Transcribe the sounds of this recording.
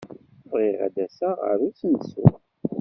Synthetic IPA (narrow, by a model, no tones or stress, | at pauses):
vʁiʁa̰d̪æsaʁə̰ɾusənsṵ